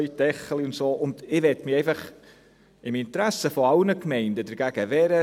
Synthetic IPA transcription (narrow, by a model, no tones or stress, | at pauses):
jdɛχəliʊntsoːʔʊndɪvɛtmieɪfɑχ | ɪmɪntɾæsəfoaʊnəkmɛɪndədəɾɡ̥æɡ̥əvɛɾə